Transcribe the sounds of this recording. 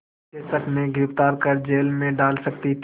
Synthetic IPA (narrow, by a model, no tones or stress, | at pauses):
eːsəkmẽɡɪɾɪft̪aːɾkəɾd͡ʒeːlmẽɖaːlsɐkt̪it̪ʰ